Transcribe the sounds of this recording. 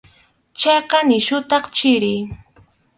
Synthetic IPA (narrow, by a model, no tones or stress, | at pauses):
t͡ʃɑjqɑnɪʃʊt̪ɑχt͡ʃɪɾɪj